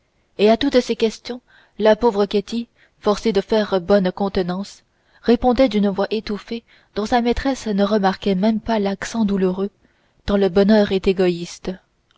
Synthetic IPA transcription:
eat̪ut̪sekʲɛst̪jɔ̃ | lapovʁəkʲet̪i | fɔʁsed̪əfɛːʁbɔnkɔ̃t̪ənɑ̃s | ʁepɔ̃d̪ɛd̪ynvwaʔet̪ufe | d̪̥ɔ̃samɛt̪χɛsnəʁəmaʁkʲɛmɛmpalaksɑ̃d̪uluʁø | kɑ̃ləbɔnœːʁɛt̪eɡɔist̪

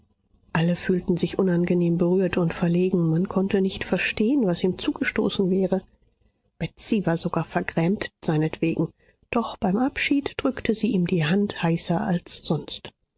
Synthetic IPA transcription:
ʔaləfyːltn̩zɪçʔʊnanɡəneːmbəʁyːɐtʰʊntfɛɐleːɡŋ̩mankʰɔntənɪçtfɛɐʃteːənvasiːmt͡suːɡ̥əʃto̰ːsn̩vɛːʁə | b̥ɛtt͡sivaːɐzoɡaːɐfɛɐɡʁɛːmtz̥aɪnətv̥eːɡŋ̩ | d̥ɔχb̥aɪmʔapʃiːtd̥ʁʏktʰəziːʔiːmdiːɦanthaɪsɐalsz̥ɔnst

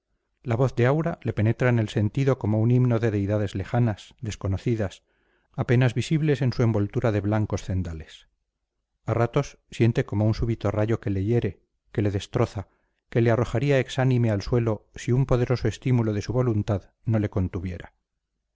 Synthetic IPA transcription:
laβo̞θðe̞awɾale̞pe̞ne̞t̪ɾaene̞lse̞nt̪iðo̞ko̞mo̞unimno̞ðe̞ðe̞jðaðe̞zle̞xanasðe̞sko̞no̞θiðas | ape̞nazβisiβle̞se̞nsue̞mbo̞lt̪uɾaðe̞βlaŋko̞sθe̞nd̪ale̞s | arat̪o̞sːje̞nt̪e̞ko̞mounsuβit̪o̞raʝo̞ke̞le̞ʝe̞ɾe̞ | ke̞le̞ðe̞st̪ɾo̞θa | ke̞le̞aro̞xaɾiae̞ksanĩme̞alswe̞losiumpo̞ðe̞ɾo̞soe̞st̪imulo̞ðe̞suβo̞lunt̪að | no̞le̞ko̞nt̪uβje̞ɾa

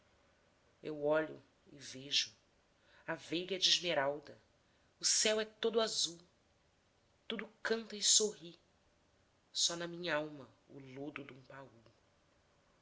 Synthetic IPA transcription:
ḛwɔʎʊ | ɪveʒʊ | avejɡɛd͡ʒɪʒmeɾawd̪ɐ | ʊsɛwɛt̪od̪ʊazuw | t̪ud̪ʊkɐ̃nt̪ɐɪsoɦi | sɔnɐmĩɲɐawmɐ | ʊ̰lod̪ʊd̪ũpau

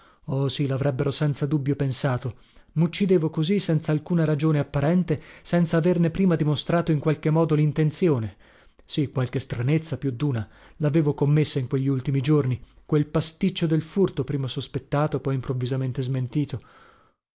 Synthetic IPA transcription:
ɔsilavɾɛbːeɾosɛnt̪sad̪ubːjopensaːt̪o | mut͡ʃːid̪eːvokozisɛnt̪saːlkuːnaɾad͡ʒoːneapːaɾɛnt̪esɛnt̪saːvernepːɾiːmad̪imost̪ɾaːt̪oiŋkwalk̟emːɔːd̪olint̪ent̪sjoːne | sikːwalk̟est̪ɾanet̪sːapjud̪ːuːna | laveːvokomːesːaiŋkweʎːiult̪imid͡ʒorni | kwelpast̪it͡ʃːod̪elfurt̪opɾiːmasospet̪ːaːt̪opɔjimpɾovːizament̪ezment̪iːt̪o

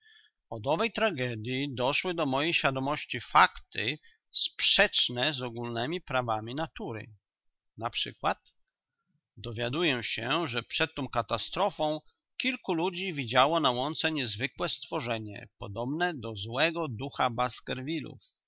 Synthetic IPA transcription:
ɔd̪ɔvɛjt̪ɾaɡɛd̪ʲjid̪ɔʂwɘd̪ɔmɔjejɕfʲjad̪ɔmɔɕt͡ɕifakt̪ɘ | spʂɛt͡ʂnɛzɔɡulnɛmʲipɾavamʲinat̪uɾɘ̰ | napʂɘ̰kwat̪ | d̪ɔvʲjad̪ujɛɕɛʐɛpʂɛt̪ːɔ̃w̃kat̪ast̪ɾɔfɔ̃w̃ | kʲilkulud͡ʑivʲid͡ʑawɔnawɔnt̪sɛɲɛzvɘkwɛst̪fɔʐɛɲɛ̰pɔd̪ɔbnɛd̪ɔzwɛɡɔd̪uxabaskɛɾvʲilṵf

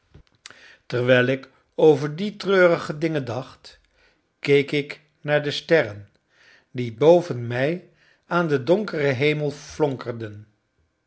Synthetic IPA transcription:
tərʋɛjlˠɪk | owvəɹditrøːrəχədɪŋəndɑχt | kejkɪk | naːɹdəstɛrən | dibowvənmɛj | aːndədɔŋkərəɦejməlˠflɔŋkərdən

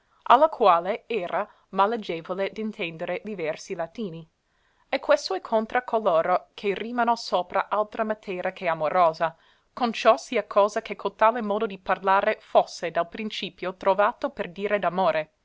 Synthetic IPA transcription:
ʔa̰lːakʰwaːleɛːɾa | malːed͡ʒeːvoled̪int̪ʰɛnd̪eɾed̪ivɛrsilat̪iːni | ekːwest̪oɛkʰːont̪ɾakʰoloːɾokʰeriːmanosoːpɾa̰ʔalt̪ɾamat̪ʰɛːɾʔakʰeamoɾoːza | kont͡ʃɔsiːakʰɔːzakekʰolt̪aːlemɔːd̪od̪iparlaːɾefosːed̪alpɾint͡ʃiːpjot̪ɾovaːt̪operd̪iːɾed̪amoːɾʔe

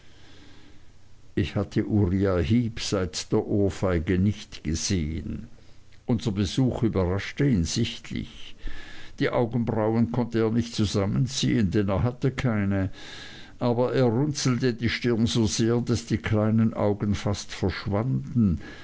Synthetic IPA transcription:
ʔɪçhatʰəʔuʁiahiːpz̥aɪtd̥eːɐʔoːɐfaɪɡənɪçtɡ̥əz̥eːə̰nʔʊnzɐbəzuːxybɐʁaʃtəiːnz̥ɪçtʰlɪ̰ç | d̥iːʔaʊɡən̩bʁaʊənkʰɔntəeːɐnɪçtt͡suzamənt͡sḭːəndɛneːɐɦatəkʰaɪnə | ʔaːbɐʔeːɐʁʊnt͡sl̩tədiːʃtɪɐnzoːzeːɐdasd̥iːkʰlaɪnənʔa̰ʊɡən̩fastfɛɐʃv̥andn̩

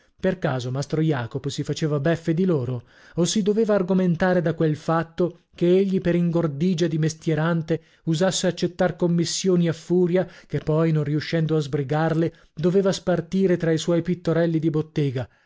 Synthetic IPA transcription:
perkaːzomast̪ɾojaːkoposifat͡ʃeːvabɛfːed̪iloːɾo | osid̪oveːvaːrɡoment̪aːɾed̪akwelfat̪ːo | k̟eeʎːipeɾiŋɡord̪iːd͡ʒad̪imest̪jeɾant̪e | uzasːeat͡ʃːet̪ːarkomːisːjoːniafːuːɾjakepːɔjnonriuʃːɛnd̪oazbɾiɡarle | d̪oveːvaspart̪iːɾet̪ɾaiswɔjpit̪ːoɾɛlːid̪ibot̪ːɛːɡa

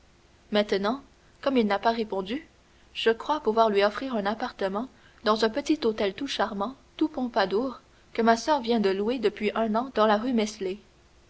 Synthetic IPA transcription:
mɛ̃t̪nɑ̃ | kɔmilnapaʁepɔ̃d̪y | ʒ̥əkχwapuvwaːʁlɥiɔfχiːʁɛ̃napaʁt̪əmɑ̃ | d̪ɑ̃zɛ̃pət̪it̪ot̪ɛlt̪uʃaʁmɑ̃ | t̪upɔ̃pad̪uːʁ | kəmasœːʁvjɛ̃d̪əlued̪əpɥiʔɛ̃nɑ̃d̪ɑ̃laʁymɛsle

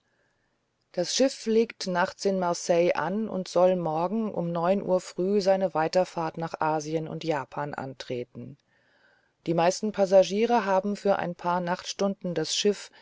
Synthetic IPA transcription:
d̥asʃɪfleːktnaχt͡sɪnmaɐsɛɪʔa̰nʊ̰ntz̥ɔlmɔɐɡŋ̩ʔʊ̰mnɔʏnʔṵːɐfʁ̥yːzaɪnəvaɪtɐfaːɐtnaːχʔaːziənʊ̰ntjaːpʰaːnʔa̰ntʁ̥eːtn̩ | d̥iːmaɪstn̩pʰazaʒiːʁəɦaːbm̩fyːɐʔa̰ɪnpʰaːɐnaχtʃtʊndn̩dasʃɪf

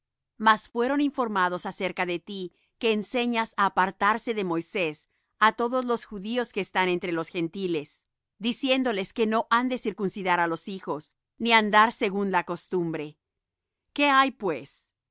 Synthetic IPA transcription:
masfwe̞ɾo̞niɱfo̞ɾmað̞o̞sase̞ɾkaðe̞t̪i | ke̞ːnse̞ɲasaːpaɾt̪aɾse̞ðe̞mo̞jse̞s | at̪o̞ðo̞zlo̞sxuðio̞ske̞ːst̪ane̞nt̪ɾe̞lo̞sxe̞nt̪ile̞s | d̪isje̞nd̪o̞le̞ske̞no̞ʔand̪e̞siɾkunsiðaɾalo̞sixo̞s | niand̪aɾse̞ɣunlako̞st̪umbɾe̞ | ke̞ajpwe̞s

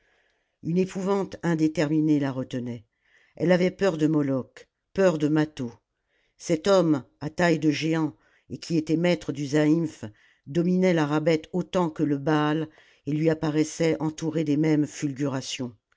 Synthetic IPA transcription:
ynepuvɑ̃t̪ɛ̃d̪et̪ɛʁminelaʁət̪ənɛ | ɛ̰lavɛpœʁd̪əmɔlɔk | pœʁd̪əmat̪o | sɛt̪ɔm | at̪ajd̪əʒeɑ̃ | ekʲʰiet̪ɛmɛt̪χəd̪yzaif | d̪ɔminɛlaʁabɛt̪ot̪ɑ̃kələbal | elɥiapaʁɛsɛʔɑ̃t̪uʁed̪emɛmfylɡʲyʁasjɔ̃

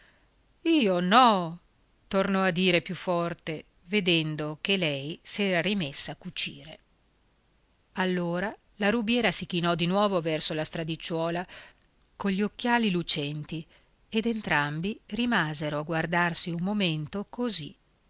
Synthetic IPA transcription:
iːonɔ | t̪ornɔad̪ːiːɾepjufːɔrt̪e | ved̪ɛnd̪ok̟elɛjsɛːɾaɾimesːaːkːut͡ʃḭːɾe | alːoːɾa | laɾubjɛːɾasik̟inɔd̪inwɔːvovɛrsolast̪ɾad̪it͡ʃːwɔːla | koʎːokːjaːlilut͡ʃɛnt̪i | ed̪ent̪ɾambirimaːzeɾoaɡward̪arsiumːoment̪okozi

